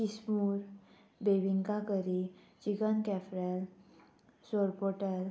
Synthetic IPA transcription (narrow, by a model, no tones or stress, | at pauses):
kismuɾ | beʋiŋkakəɾi | d͡ʑiɡənkɛfɾɛl | soɾpoʈəl